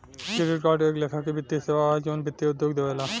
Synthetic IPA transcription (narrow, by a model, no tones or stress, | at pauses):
kɾɪɾɪʈ̚kaːɾɖeːkleːkʰakebɪt̪ːiseʋad͡ʒonbɪt̪ːiʊd̪joɡd̪eʋala